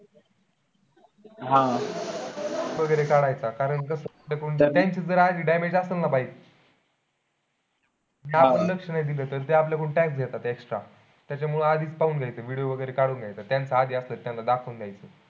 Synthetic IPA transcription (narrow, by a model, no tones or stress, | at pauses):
ɦã | ʋəɡəjɾekaɽajt͡sakaɾəɳkəsəplakuːɳt̪jaɲt͡ɕiːd͡zəɾad̪ʱiːɖajmed͡ʑasəlnapaiːt͡s | napənləkʂənajd̪iləːt̪əɾt̪eapljakuɳʈɛksɡʱet̪at̪eksʈɾa | t̪jat͡ɕjam̤uɭuːnad̪ʱiːt͡spauːnɡʱjajt͡səːʋiɽijoʋəɡəjɾekaɽuːnɡʱjajt͡sat̪jant͡saad̪ʱiːast̪əːt̪jãnlad̪akʰəund̪jajt͡səː